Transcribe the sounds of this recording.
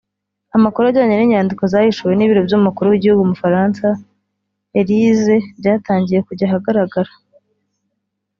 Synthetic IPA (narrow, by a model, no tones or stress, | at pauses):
amakuɾaɟaːɲeniɲaːndiko̞zahiʃuwe̞niβiɾo̞bjomukuɾuwiɟihuɡumufaɾaːnsa | eɾizebɟaːtaːɲɟije̞kuɟaɦaɡaɾaɡaɾa